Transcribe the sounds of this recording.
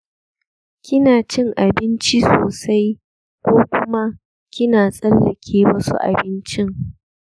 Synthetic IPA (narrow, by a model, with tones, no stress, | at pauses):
kʲɪ˦naː˨t͡ʃɪ˦ŋʔa˨bɪ˦nt͡ʃi˦soː˨sa˦j | kʷoː˦kʷʊ˦ma˦ | kʲɪ˦naː˨sʼɐ˦lːɐ˨kʲʰeː˦wɐ˦sṵ˦ʔa̰˨bɪ˦nt͡ʃɪ˦ŋ